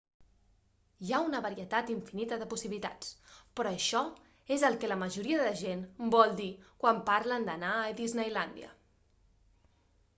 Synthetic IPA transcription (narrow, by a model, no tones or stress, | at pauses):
jaunəβəɾiət̪at̪iɱfinit̪əðəpusiβilit̪a̰t͡spɾɔəʃɔ | ezəlˠkɛləməʒuɾiəðəʒenbɔlˠd̪ikwampaɾlənd̪ənaəðiznɛjland̪jə̰